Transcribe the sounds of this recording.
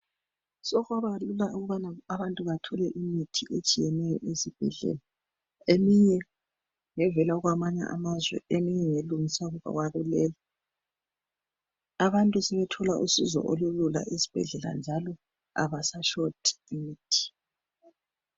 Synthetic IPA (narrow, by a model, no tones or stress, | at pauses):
sɔɣaβalulauɣuβanaaβantʼuβatʰɔlɛʔimitʰiʔet͡ʃʼijɛnɛjɔ̰ʔesib̥ʱɛ̰ɮɛ̰la | emiɲɛ | ŋɛvɛlaɣwamaɲa̰ʔa̰mazwɛ̰emiɲɛŋeluŋisauɣuβa̰ɣwaβulɛla | aβantʼusɛβɛtʰɔlaʔusizɔ̰ʔolulula̰ʔesi̥b̥ʱɛ̰ɮɛla̰nd͡ʒʱalɔ | a̰βasaʃotʰi̥imiːtʰi̥